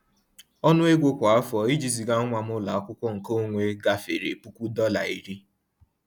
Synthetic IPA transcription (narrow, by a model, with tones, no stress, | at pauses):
ɔ˦nʊ˦e˦ɡʷo˦kʷa˨a˦fɔ˨i˦d͡ʒi˨zi˨ɡa˦ŋʷa˨m˦ʊ˦la̰˨ɔ˦kʷʊ˦kʷɔ˦ŋ̩˨ko˦ŋʷe˦ɡa˦fe˨ɾḛ˨pu˦kʷu˦dɔ˦la̰˨i˨ɾi˦